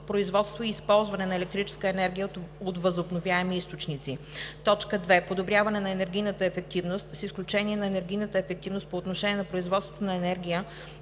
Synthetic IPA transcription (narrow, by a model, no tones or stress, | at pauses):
pɾoizvɔt̪st̪voiːspɔlˠzvɐnɛnɐɛlɛk̚t̪ɾit͡ʃɛ̥skəɛnɛɾɡʲijəot̪vəzobnovʲjaɛmiist̪ot͡ʃnit̪sit̪ɔt͡ʃkəd̪vɛpod̪obɾʲjavɐnɛnɐɛnɛɾɡʲijnət̪əɛfɛk̚t̪ivnost̪sisklʲut͡ʃɛniɛnɐɛnɛɾɡʲijnət̪əɛfɛk̚t̪ivnost̪̚poːt̪noʃɛnʲiɛnɐpɾoizvɔt̪st̪vot̪onɐɛnɛɾɡʲijə